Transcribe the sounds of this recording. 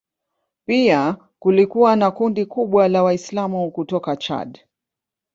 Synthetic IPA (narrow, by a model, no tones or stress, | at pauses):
pia | kulikuwanakundikuɓwalawaislamukutɔkat͡ʃa̰d